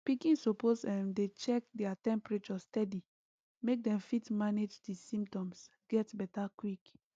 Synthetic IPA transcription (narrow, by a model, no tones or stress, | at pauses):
pikĩnsoposɛmdet͡ʃɛk̚dɛatɛ̃mpɹet͡ʃɔstɛdi | mek̚dɛ̃mfitmaned͡ʒdisĩmptɔ̃ms | ɡ̥ɛtbɛtakwik